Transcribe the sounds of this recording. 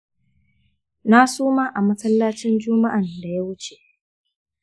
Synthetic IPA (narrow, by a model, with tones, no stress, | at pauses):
na˦suː˦maː˦ʔa˨mɐ˦sɐ˦lːa˦t͡ʃɪ˦nd͡ʒʊː˦ma˦ʔa˨nda˨ja˦wʊ˦t͡ʃe˨ʔ